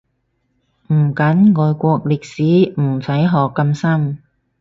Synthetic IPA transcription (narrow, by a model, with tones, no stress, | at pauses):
m̩˨˩kɐ˨˥nŋɔː˨˧jkʷɔː˧k̚lɪ˨k̚siː˨˥m̩˨˩sɐ˨˥jɦɔː˨kːɐ˧msɐ˥m